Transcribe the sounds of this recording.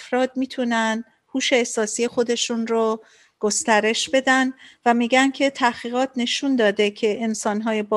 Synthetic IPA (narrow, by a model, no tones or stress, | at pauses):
fɾɒːd̪̚miːt̪ʰunæn | huːʃe̞ːsɒːsije̞xo̞d̪e̞ʃunro | ɡ̥o̞st̪æɾe̞ʃbe̞d̪ænvæmiːɟæncʰe̞t̪ʰæhχiːɣɒːt̪ʰne̞ʃund̪ɒːd̪ecʰe̞ʔːnsɒːnɦɒːje̞bɒ